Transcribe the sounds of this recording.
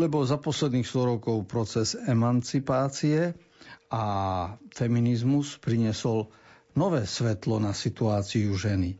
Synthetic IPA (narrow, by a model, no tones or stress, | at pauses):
lɛbɔlzapɔslɛd̪niːxst̪ɔɾɔkɔʊpɾɔt͡sɛzɛmant͡sipaːt͡siɛ | afɛminizmuspɾiɲɪɛsɔl | nɔʋɛːsʋɛt̪lɔnasit̪uaːt͡siuʒɛni